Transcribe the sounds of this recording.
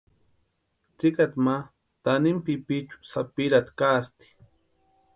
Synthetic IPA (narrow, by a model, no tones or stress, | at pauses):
t͡sɪkat̪ma | t̪anɪmpipit͡ʃu̥sapɪɾat̪kast̪i̥